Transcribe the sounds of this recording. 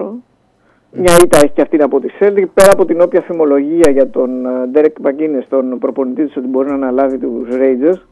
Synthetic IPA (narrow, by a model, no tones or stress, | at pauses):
mɲɐit̪ɐe̞çi̥ceɐft̪inɐpo̞t̪ise̞ld̪ipe̞ɾɐːpo̞t̪ino̞pçɐθimo̞lo̞ʝiɐʝɐt̪o̞nd̪eɾekmɐcinest̪o̞npɾopo̞nit̪it̪iso̞t̪ibo̞ɾinɐːnɐlɐvit̪usɾe̞jd͡zeɾs